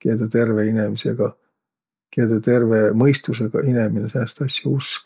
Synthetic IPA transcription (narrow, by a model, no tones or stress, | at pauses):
ked̪̥et̪e̞rveinemisḛɡ̥ɑ | keːd̪ɑt̪e̞rvemɤjst̪useɡ̥ɑ̰ʔineminesenːɑst̪ɑsʲjɑusk